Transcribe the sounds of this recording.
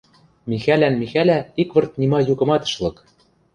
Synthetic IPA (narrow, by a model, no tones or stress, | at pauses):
mixælænmixælæikβɤ̆rt̪̚nʲimɑjukɤ̆mɑt̪ɤ̥̆ʃlɤ̆k